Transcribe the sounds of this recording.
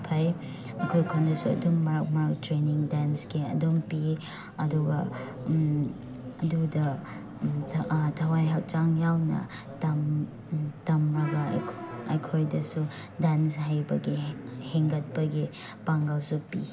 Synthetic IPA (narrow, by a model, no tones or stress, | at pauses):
pʰɐj | ɐkʰojkʰondɐsuɐ̰dumːɐɾak̚mɐɾak̚tɾeniŋdansɡiɐ̰dompi | ɐduɡɐ | ɐdudɐ | tʰɐwajɦak̚t͡ʃaŋjawnɐ̰ | tɐm | tɐmɾɐɡa̰kʰɐ̰jkʰojdɐsu | danshajbɐɡiheŋɡɐt̚pɐɡi | paŋɡɐlsupi